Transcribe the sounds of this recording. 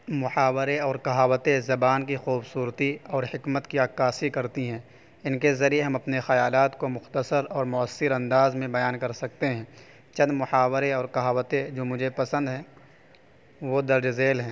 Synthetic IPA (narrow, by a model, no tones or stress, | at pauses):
mʊħaːwɾeɔːɾkɐɦaːwət̪ezɐbaːnkixuːbsuːɾt̪iɔːɾhɪkmət̪kiaːkːaːsikɐɾt̪iɦɛ̃ː | ɪnkezɐɾieɦɐmɐpnexɐjaːlaːt̪komʊxt̪əsəɾɔːɾmʊəsːɪɾɐ̃nd̪aːzmẽbɐjaːnkɐɾsɐk̚t̪eɦɛ̃ː | t͡ʃɐ̃nd̪mʊħaːwɾeɔːɾkɐɦaːwət̪ed͡ʒoːmʊd͡ʒʱepɐsə̃nd̪ɦɛ̃ː | ʋod̪ɐɾd͡ʒzeːlɦɛ̃ː